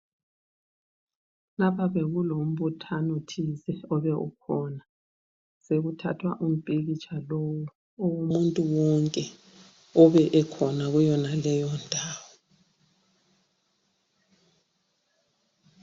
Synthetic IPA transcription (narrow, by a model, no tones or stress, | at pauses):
lapaβeɣulom̩βutʰanotʰizɛɔβɛʔṵkʰɔna | seɣutʰa̰tʰwa̰ʔum̩pʼeɣit͡ʃʰalowu | owumuntʼuwɔŋkʼɛ | ɔβɛʔɛkʰɔnaɣujɔnalɛjɔndʱaːwɔ